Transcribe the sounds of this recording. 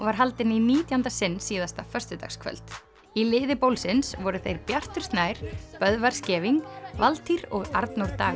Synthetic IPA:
vaɾ̥ɦalt̪ɪniniːt̪jant̪asɪnːsːiːðast̪afœ̥st̪ʏt̪a̰xskʰvœ̰lt̪ | ilɪːðɪpowlsɪnsvɔɾʏθejɾpjar̥t̪ʏɾ̥st̪naːjɾ̥pœðvaɾ̥scɛːviŋkvalt̪ʰiɾɔɣaɾt̪nowɾt̪aː

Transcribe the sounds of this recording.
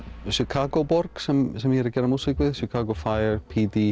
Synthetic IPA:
ʃɪkʰaːɡobɔɾɡ̥sɛmsɛmhiːɾəɡɛɾamusɪkvɪðʃɪkʰaːɡofajəɹpʰiːd̪i

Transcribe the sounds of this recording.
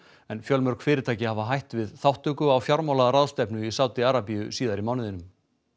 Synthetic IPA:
ɛnfjœlmœɾ̥kfɪːɾɪt̪ʰaːjcɪhavaɦajht̪vɪðθawht̪ʏkʏawfjawɾmawlaðaɾaðst̪ɛpnʏisawt̪ɪaɾapijʏsiːðaɾimawnɪðɪnʏm

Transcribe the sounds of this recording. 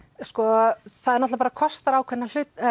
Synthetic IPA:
skɔθaðɛɾnɔt̪lapaːɾakʰɔst̪aɾaːwkʰvɛnːal̥ʏt̪

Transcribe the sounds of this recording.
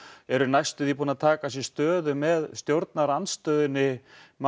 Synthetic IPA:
ɛɾʏnajst̪ʏθipuːnat̪ʰaːkasjɛst̪œːðʏmɛðst̪jowɾt̪naɾanst̪œːðɪnːɪm

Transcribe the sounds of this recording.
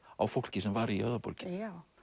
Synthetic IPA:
a̰wfowl̥cɪsɛmvaɾiœ̰ðʏpɔ̰ɾcɪ̥

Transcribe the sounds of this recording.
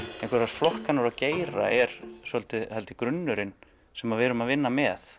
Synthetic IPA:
ɛ̃ẽhŋkʰvɛɾaɾflɔhkanaɾaceːjɾa̰ɛɾ̥sɛlt̪ɪhɛlt̪ɪkɾʏnːʏɾɪn | sɛmavɪɾʏmaðvɪnːamɛθ

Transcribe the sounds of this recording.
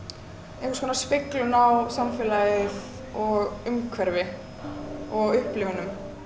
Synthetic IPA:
ɛkskʰɔnaspɪklʏnawsamfɛːlajɪð | ɔɣʏmkʰvɛɾvɪ | ɔɣʏhplɪvʏnʏm

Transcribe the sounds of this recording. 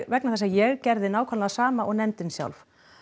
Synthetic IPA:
vɛk̚naθɛs̬ːajɛɣcɛɾðɪnaːwkʰanlaasaːmaʔɔɣnɛnt̪ɪnsja̰wlf

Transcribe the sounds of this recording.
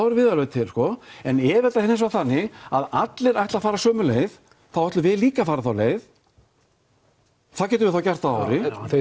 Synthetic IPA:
aɾʏvɪːðalœt̪ʰɪlskɔɛnɛːvɛt̪ahɛnːɪs̬vaθanːɪa̰ðat̪lɪɾajht̪afaːɾasœːmʏleːjð | θawɛht̪lʏvɪðliːkafaːɾaθawleːjð | θacɛːt̪ʏvɪθawcɛr̥t̪aa̰wɾɪ

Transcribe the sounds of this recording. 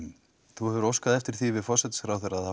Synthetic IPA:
θuhɛvʏɾowskaðɛft̪ɪɾ̥θivɪðfɔr̥sɛt̪sfɾawθɛɾaaða

